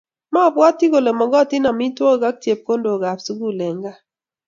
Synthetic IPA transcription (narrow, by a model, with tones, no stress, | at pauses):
ma˦˨bwa˦ti˦ɡo˨le˨mɔ˨ɡɔ˦˨tɪ˦na˨mi˦two˦˨ɡa˦k̚tje˨p̚ko˦ndo˨ɡa˨psu˦ɡu˦˨le˨ŋɡa˦